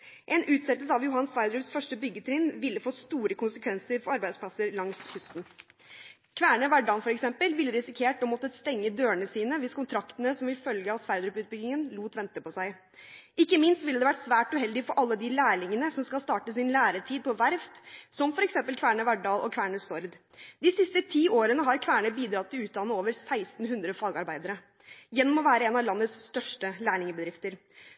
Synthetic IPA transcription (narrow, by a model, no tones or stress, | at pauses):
ʔɛnʉːt̪sɛt̪ːəlsəɑʋjʊɦɑnsʋæɪd̪ɾʉːpsfœʂʈəbʏɡːət̪ʰɾɪnʋɪlːəfɔt̪st̪uːɾəkʰʊnsəkʰʋɛnsəɾfɔɾɑɾbæɪd̪spʰlɑsəɾlɑŋshʉst̪n̩ | kʰʋæːɳəʋæɖɑːnfɔɾɛksɛmpəlʋɪlːəɾɪsɪkʰeːʈɔmɔt̪ːəst̪ɛŋːəd̪øːəɳəsiːnəʋɪskʰʊnt̪ʰɾɑkt̪ənəsɔmʋɪlfœlɡəɑʋsʋæɪɾd̪ɾʉːpʉːt̪bʏɡ̪ɪŋənluːt̪ʋɛnt̪əpɔsæɪ | ʔɪkːəmɪnst̪ʋɪlːd̪ɛʋæʈsʋæːʈʉɦɛld̪ɪfɔɾʔɑlːəd̪ɪlæːɭɪŋənəsɔmskɑlst̪ɑːʈəsɪnlæːɾəʈʰiːd̪̚pʰɔʋæɾft̪sɔmfɔɾɛksɛmpəlkʰʋæːɳəʋæɖɑːlʔɔ̰kʰʋæːɳəsɔɾd̪ | d̪ɪsɪst̪ət̪ʰiːoːɾənəɦɑɾkʰʋæːɳəbiːd̪ɾɑt̪ʰːɪlʉːt̪̚d̪ɑnːəoːʋəɾsæɪst̪n̩ɦʉnd̪ɾəfɑːɡɑɾbæɪd̪əɾə | jɛnːɔmɔʋæːɾəɛːnɑlɑnːəsst̪œʂʈəlæːɳɪŋəbəd̪ɾɪft̪əɾ